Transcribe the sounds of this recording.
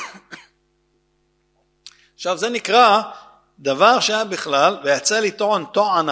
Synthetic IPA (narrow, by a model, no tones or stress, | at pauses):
aχʃavzenikʁa | d̪avaʁʃejabiχlalvejat͡salit̪oont̪oana